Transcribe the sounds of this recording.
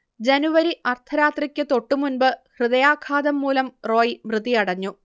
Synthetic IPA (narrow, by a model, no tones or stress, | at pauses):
d͡ʑenuʋɐɾiʔɐrt̪ʰɐɾaːt̪rikʲːɨt̪o̞ʈːumunbɨhrɨðɐjaːkʰaːd̪ɐmːuːlɐmro̞ːjimrɨðijɐɽɐɲːu